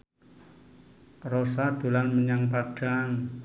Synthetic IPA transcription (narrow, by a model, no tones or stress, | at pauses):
rɔsad̪̥o̤lanməɲaŋpaɖ̥a̤ŋ